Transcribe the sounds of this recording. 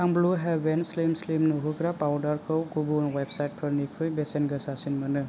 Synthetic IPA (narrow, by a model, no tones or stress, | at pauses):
aŋbluɦɛbenslimslimnuɦuɡɾapawdaɾkʰɯwkubunwebsajt̚pʰɯɾnikʰɯjbesenɡɯsasinmɯnɯ